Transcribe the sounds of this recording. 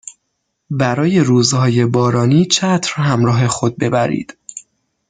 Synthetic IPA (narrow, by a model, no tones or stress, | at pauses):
bæɾɒːje̞ɾuːzhɒːje̞bɒːɾɒːniːt͡ʃʰæt̪ʰɾhæmɾɒːɦe̞xo̞d̪̚be̞bæɾḭːd̪̥